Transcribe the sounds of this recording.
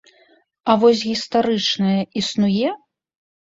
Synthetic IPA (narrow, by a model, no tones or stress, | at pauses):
ɐvɔs̬ʲɣʲist̪aɾɨt͡ʂnɐjɐʔisnujɛ